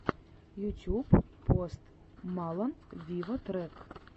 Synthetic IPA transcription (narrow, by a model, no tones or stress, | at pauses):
jut̪ʲuppːost̪ | mɑlˠənvʲivɔt̪ɾɛk